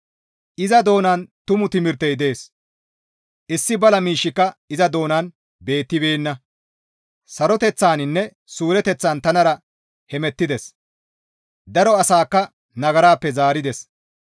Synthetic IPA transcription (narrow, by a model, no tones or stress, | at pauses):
ʔɪzɐd̪o̞ːnaːnt̪ʊmʊt̪ɪmɪɾt̪ːɛjd̪e̞ːs | ʔɪsːɪbɐlɐmiːʃːɪkːɐɪzɐd̪o̞ːnaːn | be̞ːt̪ːɪbe̞ːnːɐ | sɐɾɔt̪ɛt͡sːaːnɪnːɛ | suːɾɛt̪ɛt͡sːaːnt̪ɐnɐɾɐ | hɛmɛt̪ːɪd̪ɛs | d̪ɐɾɔɐsaːkːɐ | nɐɡɐɾaːpːɛzaːɾɪd̪ɛs